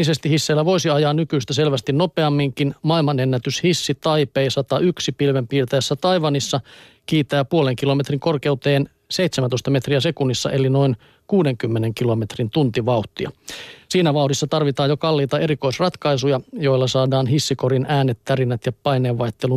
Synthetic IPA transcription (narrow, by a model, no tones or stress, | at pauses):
isest̪ihisːeːlːæʋo̞isiɑjɑːnykyːst̪æselʋæst̪inno̞peɑmːiŋkinmɑilmɑnenːæt̪yshisːit̪ɑjpejsɑt̪ɑyksipilʋempiːrt̪ɑjæsːæt̪ɑjʋɑnisːɑ | kiːt̪æːpuoleŋkilo̞met̪riŋkorke̞ut̪eːn | seit̪semænoist̪ɑme̞t̪riæsekunːisːɑ̰ʔelino̞in | kuːdeŋkymːeneŋkilo̞me̞t̪rint̪unt̪iʋɑuwht̪ːˑiɑ̰siːnæʋɑuhdisːɑt̪ɑrʋit̪ɑːjokɑlːiːt̪ɑe̞ɾiko̞isrɑt̪kɑisujɑjo̞ilːɑsɑːdɑːnɦisːikoɾinæːnːet̪tærinːæt̪jɑpɑjneːʋʋɑjt̪ːelu